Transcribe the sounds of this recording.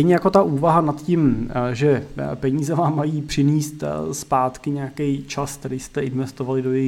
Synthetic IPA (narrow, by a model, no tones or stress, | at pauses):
ɛjɲɛjako̞t̪aʔuːvaɦanat̪cimʒɛpɛɲiːzɛvaːmːajiːpr̝̥ɪniːst̪spaːt̪kɪɲeakɛjt͡ʃaskt̪ɛɾɪjst̪ɛɪnvɛst̪o̞valɪdo̞jɛjɪ